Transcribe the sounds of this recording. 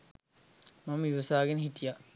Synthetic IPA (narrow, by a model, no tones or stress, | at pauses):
mamiʋɐsaːɡenəɦit̪ija